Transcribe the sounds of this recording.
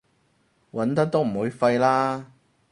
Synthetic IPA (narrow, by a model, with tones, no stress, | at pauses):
wɐ˨˥nt̪ɐ˥k̚t̪o˥m̩˨˩wuː˨˧jfɐ˧jlaː˥